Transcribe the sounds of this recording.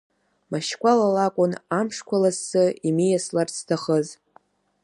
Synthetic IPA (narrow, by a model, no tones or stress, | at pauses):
maʃkʷʼalalakʷʼʊnamʂkʷʰalasːɨimijaslarsʰtʰaχəz